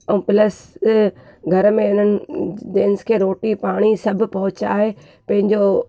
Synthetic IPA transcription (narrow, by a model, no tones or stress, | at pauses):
ɛ̃ːpɪləs | ɡʱɐɾəmẽɪnənɪ̆deːnskʰeːɾoːʈipaːɽ̃isɐbʱɪ̆pɐɦʊt͡ɕa̰ːɦe | pɐ̃ɦɪ̃ɲd͡ʑo